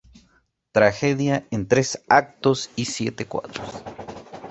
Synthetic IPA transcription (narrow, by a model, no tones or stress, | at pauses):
t̪ɾaxeðjaent̪ɾesak̚t̪osisjet̪ekwa̰ðɾos